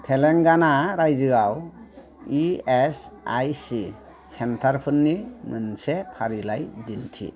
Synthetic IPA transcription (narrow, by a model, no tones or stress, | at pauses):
tʰeleŋɡanaɾajzɯɡaw | iesa̰jsi | sentʰaɾpʰɯnːimɯnsepʰaɾilajdintʰḭ